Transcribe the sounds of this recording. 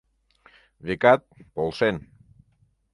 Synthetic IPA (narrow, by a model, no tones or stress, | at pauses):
βikat̪̚polˠsen